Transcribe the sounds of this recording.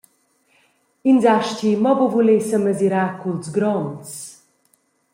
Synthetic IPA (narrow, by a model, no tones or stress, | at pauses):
inzaʃcimɔbɔvulesəməziɾakulzɡɾɔnt͡s